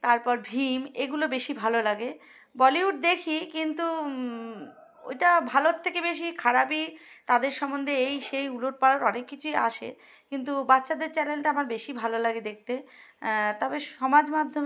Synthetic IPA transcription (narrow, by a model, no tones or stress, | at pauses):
t̪aɾpɔɾbʱimeɡulobeʃibʱalolaɡe | bɔliuʈ̚d̪ekʰikint̪u | o̰jʈabʱalot̪ʰːekebeʃ̬ikʰaɾapit̪ad̪eɾʃɔmːond̪ʱeejʃejuloʈ̚paɾoɾɔnekːit͡ɕʰuia̰ʃḛ | kint̪ubatːɕad̪eɾt͡ɕɛlelʈaamaɾbeʃibʱalolaɡed̪ek̚ʰt̪e | t̪ɔbeʃɔmad͡ʑmad̪ʱːome